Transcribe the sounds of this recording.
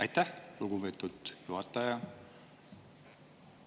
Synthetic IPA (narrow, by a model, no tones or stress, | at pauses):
ɑjt̪ːæholɡuvet̪ːud̪̥juɦɑt̪ːɑjɑ